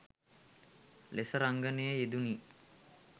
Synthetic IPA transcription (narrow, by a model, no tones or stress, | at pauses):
lesəɾaŋɡənejəed̪uniː